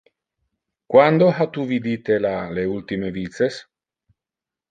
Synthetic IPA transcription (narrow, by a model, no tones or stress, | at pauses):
kwand̪oɦat̪uvid̪it̪elaleult̪imevit̪ses